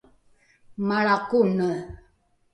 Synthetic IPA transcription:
maɭakunə

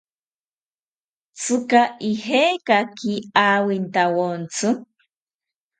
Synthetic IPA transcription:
t͡sɨkaiheːkakiaːwint̪awont͡sʰɨ

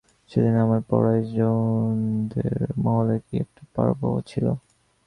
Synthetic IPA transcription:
ʃed̪inamaɾpɔ̰ɾaid͡ʑond̪eɾmɔɦolekiɛk̚ʈu̥pa̰ɾboot͡ɕʰilo

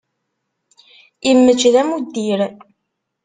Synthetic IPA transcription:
imːəd͡ʒðæmud̪ːiɾ

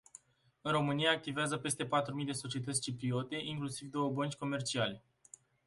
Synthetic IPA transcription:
ɨnro̞mɨnijaːk̚t̪iveazəpe̞st̪e̞pat̪ɾumijd̪e̞sot͡ʃie̞t̪ət̪sʲt͡ʃipɾio̞t̪e̞ʔiŋklusivd̪o̞wəbənt͡ʃʲko̞me̞rt͡ʃiale̞

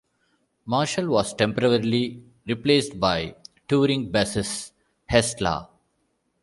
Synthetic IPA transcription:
maːɾʃəlʋɔːsʈɛ̃mpəɾəɾili | ɾipleːsʈbaɪʈuːɾɪ̃ŋɡ̚bæsɪs | hɛsla̰ː

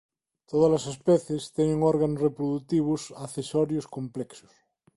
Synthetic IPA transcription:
t̪oð̞alasespeθjest̪enẽŋoɾɣanosrepɾoðut̪iβ̞osaθesoɾjoskomplɛkso̥s

